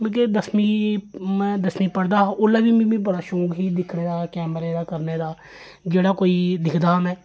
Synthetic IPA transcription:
ked̪əsmiːmɛ̃ːd̪əsmiːpəɽd̪ãːʔʊlaːbiːmĩmĩːbəɽaːʃoːkɦiːd̪ɪkʰneːd̪aːkɛːməɾeːd̪aːkəɾneːd̪aː | d͡ʒeːɽaːkoːiːd̪ɪkʰd̪aːɦəmɛ̃ː

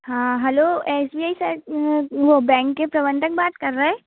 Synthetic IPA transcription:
ɦãːɦɛloːesbiːaːisɐ | ʋobɛ̃ːŋkːepɾɐʋə̃nt̪ʰək̚baːt̪kɐɾːaɦɛ̃ː

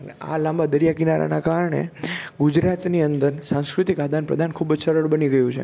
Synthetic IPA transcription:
ənḛa̰lãmbad̪əɾjakinaɾa̰nakaɾɳḛɡud͡ʒɾat̪niənd̪əɾsãŋ̃skɾut̪ikad̪ʱanpɾəd̪ʱankʰubd͡ʒsəɾəɭbəniɡəjũt͡ʃʰḛ

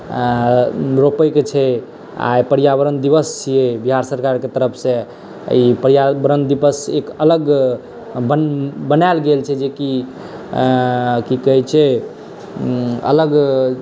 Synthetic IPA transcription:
ɾopəjket͡ʃʰɛ | a̰jpəɾijabəɾənd̪ibəst͡ʃʰijebiɦaɾsəɾkaɾket̪əɾəpʰsẽ | ipəɾjabɾənd̪ibəsekələɡ | bəbənaɪlɡelt͡ʃʰɛd͡ʒeki | kikəɦit͡ʃʰɛ | ə̰ləɡ

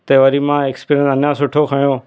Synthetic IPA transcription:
t̪eːʋɐɾiːmãːeːkspiːɾjə̃nsɐnjãsʊʈʰokʰaɳjoː

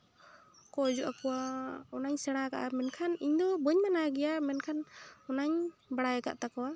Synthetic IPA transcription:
kɔd͡ʒuʔakɔwaɔnaɲsɛɽ̃akaʔamɛnkʰaniɲd̪ɔbəɲmanaɡɛjamɛnkʰanɔnaɲbaɽajɛka̰ʔt̪akɔwa

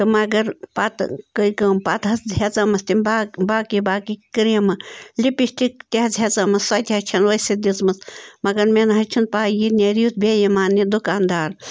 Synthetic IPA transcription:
t̪ɨmɐɡɐɾpat̪kəikɐmpat̪ɦɐsɦɐt͡sɐmɐst̪imbaːbaːkibaːkikɾemɐlipiʃʈik̚t̪ʲiɦɐt͡sɦet͡sɐmɐssɐt̪ʲɦɐt͡ʃʰɐnʋɐsid̪ʲit͡smɐsmɐɡɐɾmenɦɐt͡ʃʰun̚paːjinʲeɾiut͡s̪bʲejimaːnːid̪ukaːnd̪aːɾ

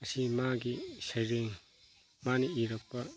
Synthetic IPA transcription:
ɐsimaɡisajɾeŋ | maniːɾɐk̚pɐ

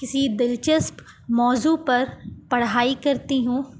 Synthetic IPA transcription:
kɪsid̪ɪlt͡ʃəsp | mɔːzupɐɾpɐɽ̤aːikɐɾt̪iɦũː

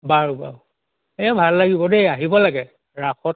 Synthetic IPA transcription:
baɹuba̰ɹ | ɛjabʱalːaɡibɔdeaɦibɔlaɡɛ | ɹaxɔt̚

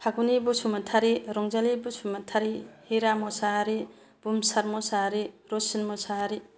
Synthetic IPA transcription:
hʰaɡunibusumatʰaɾiɾɔŋzalibusumatʰaɾihiɾamɔsaɾi | b̥umsaɾmɔsaɾi | ɾosinmɔsaɾi

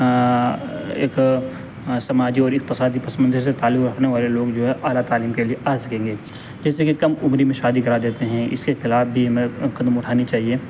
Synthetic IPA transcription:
ḛːk | sɐmaːd͡ʒiɔːɾɪːk̚p̪ɐsaːd̪ipɐsmɐ̃nzəɾs̬et̪aːlʊkɾɐkʰneʋaːleloːɡd͡ʒoːɦɛʔaːlat̪aːliːmkelieʔaːsɐkẽːŋɡeː | d͡ʒɛːsekikɐmʊmɾimẽʃaːd̪ikɐɾad̪eːt̪eɦɛ̃ɪ̰skexɪlaːfbʱiɦɐmẽkɐd̪əmʊʈʰaːnit͡ʃaːɦieː

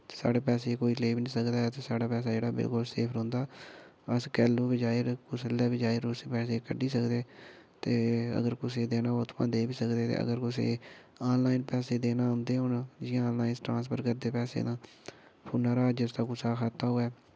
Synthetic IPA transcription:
sa̰ːɽeːpɛːseːkoːiːleːbnĩːsəkd̪aːɛːt̪eːsaːɽaːpɛːs̬aːd͡ʒeːɽaːbɪ̰lkʊlsḛːpʰɾʊ̃ːnd̪aː | əskɛːlũːbid͡ʒaːɪɾkʊsəlɛːbid͡ʒaːɪɾosepɛːseːkəɖiːsəkd̪eː | t̪eːə̰ɡəɾkʊseːd̪eːnaːot̪ʰpã̰ːd̪eːbiːsəkd̪eːt̪ḛːʔə̰ɡəɾkʊsḛː | aːnlaːinpɛːseːd̪eːnaːɦʊ̃nd̪eːɦʊnd͡ʒɪjãːnlaːinsʈɾãːnspʰəɾkəɾd̪eːpɛːsḛːnãː | pʰʊːnaːɾaːd͡ʒəst̪aːkʊsaːkʰat̪ːaːɦoːɛː

